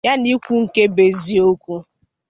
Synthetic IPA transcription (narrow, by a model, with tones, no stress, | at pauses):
ja˦ni˦kʷu˦ŋ̩˨ke˦be˨zi˨o˦kʷu˦